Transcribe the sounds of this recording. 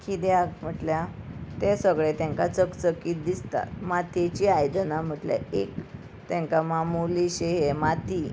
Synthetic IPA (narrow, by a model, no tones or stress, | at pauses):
kʰid̪jaɡm̤əʈljat̪esəɡɭet̪ẽŋkat͡səkt͡səkiːt̪̚d̪ist̪a̰t̪mat̪ʰet͡ɕiajd̪ənam̤əʈlja̰ek | t̪ẽŋkamamuliɕeɦemat̪i